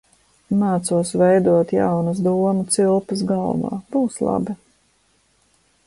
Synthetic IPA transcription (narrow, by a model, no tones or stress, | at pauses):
maːt̪suɔsvɛjd̪uɔt̪ja̰wnusd̪uɔmut̪silˠpɐs̬ɡalˠva̰ːb̥uːslˠa̰bi